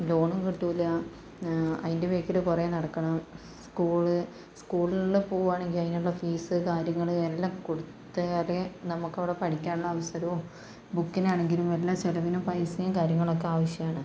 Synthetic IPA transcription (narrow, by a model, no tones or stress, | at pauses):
lo̞ːɳumkiʈːulɐ | ɐ̰ðindeʋeːkːiɾekurɐenɐɽɐkːɐɳɐm | skuːɭɨ | skuːɭinulːɨpo̞ːɣuʋaːɳe̞ŋɡilɐðinuɭːɐfiːsɨkaːɾjɐŋːɐɭelːaːmkoɽut̪ːɐjaːrenɐmukːɐʋiɽe̞pɐʈʰikʲːaːnuɭːɐːʋɐsɐɾɐʋo | bukːinaːɳe̞ŋɡilumelːaːselɐʋinupɐjsinɐkaːɾjɐŋːɐɭo̞kːeaːʋɐɕjɐmaːɳɨ